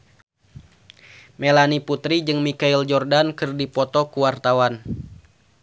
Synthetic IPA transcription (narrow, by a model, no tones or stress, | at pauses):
melaniput̪ɾid͡ʒɨŋmikaild͡ʒɔrdankɨrdipɔt̪ɔkuwart̪awan